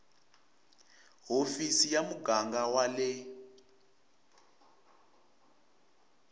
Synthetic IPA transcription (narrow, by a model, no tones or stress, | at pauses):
ɦofisijamuɡaŋɡawalɛ